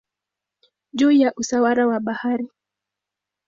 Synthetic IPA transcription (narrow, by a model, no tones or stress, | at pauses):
ʄujaʔusawaɾawaɓahaɾi